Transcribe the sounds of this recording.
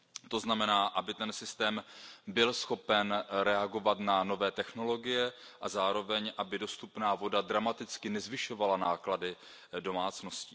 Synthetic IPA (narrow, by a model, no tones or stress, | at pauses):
t̪o̞znamɛnaːʔabɪt̪ɛnsɪst̪ɛːmbɪlsxo̞pɛnɾɛaɡo̞vat̪nano̞vɛːt̪ɛxno̞lo̞ɡɪjɛʔazaːɾo̞vɛɲʔabɪdo̞st̪upnaːvo̞dadɾamat̪ɪt͡skɪnɛzvɪʃo̞valanaːkladɪ | do̞maːt͡sno̞scɪ